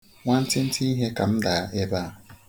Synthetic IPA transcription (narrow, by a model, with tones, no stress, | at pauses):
ŋʷa˦n̩˦tɪ˦n̩˦tʰi˦i˦ɦe˦ka˨m̩˦da˨˦ʔe˦ba˦˨